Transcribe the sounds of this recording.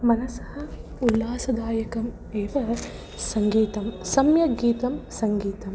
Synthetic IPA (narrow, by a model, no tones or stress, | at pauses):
mɐnɐsɐ̥hɐ̆ | ulːaːsɐd̪aːjɐkɐm | eːʋɐ | sɐŋɡiːt̪ɐmsɐmjɐɡiːt̪ɐmsɐŋɡiːt̪ɐm